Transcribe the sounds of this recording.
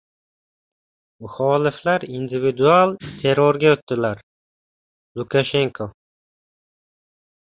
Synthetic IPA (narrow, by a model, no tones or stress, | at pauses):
mʊχɒːlɪflaɾind̪ɪvɪd̪ualˠt̪ʰe̞ɾɒɾɡʲaɵt̪ːɪlaɾ | lˠʊkʰaʃe̞ŋkʰo